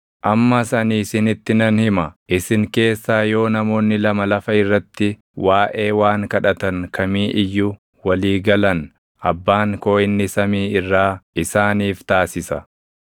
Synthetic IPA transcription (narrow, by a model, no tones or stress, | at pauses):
ʔɐmːɐsɐniːsɪnɪt̪ːɪnɐnhɪmɐʔɪsɪŋke̞ːsːaːjo̞ːnɐmo̞ːnːɪlɐmɐlɐfɐɪrːɐt̪ːɪ | waːʔe̞ːwaːŋkɐᶑɐt̪ɐŋkɐmiːʔɪjːʊ | wɐliːɡɐlɐn | ʔɐbːaːŋko̞ːʔɪnːɪsɐmiːɪrːaːɪsaːniːft̪aːsɪsɐ